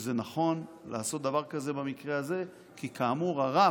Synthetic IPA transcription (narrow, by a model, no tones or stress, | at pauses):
zenaχo̞nla̰ːso̞t̚d̪avaʁkaze̞bamikʁeaze̞ | kikʰaːmuʁaʁa